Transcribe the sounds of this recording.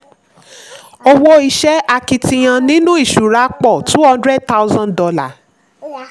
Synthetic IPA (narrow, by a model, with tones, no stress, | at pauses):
o˧wo˦i˧ʃɛ˦a˧ki˧tĩ˧j̃ã˧nĩ˦nũ˦i˦˨ʃu˨ɾa˨˦k͡pɔ˦˨tũ˨˦ɔ˦dɾɛ˦d̚ta˦wzã˦ndɔ˧la̰˨